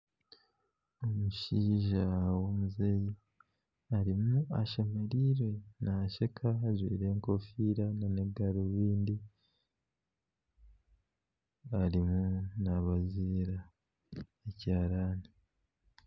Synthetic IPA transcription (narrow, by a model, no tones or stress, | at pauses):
o̞muʃiːʒawomuze̞ːji | aɾimuaʃemeɾiɾwe̞naʃekʰazwiːɾe̞ŋko̞fiːɾananeɡaɾoβiːndi | aɾimunaβaziːɾa | ecaːɾaːni